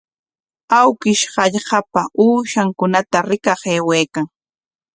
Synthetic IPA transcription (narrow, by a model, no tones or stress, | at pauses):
awkɪʃɢɑʎɢɑpauːʃaŋkʊnat̪aɾɪkɑχeːweːkaŋ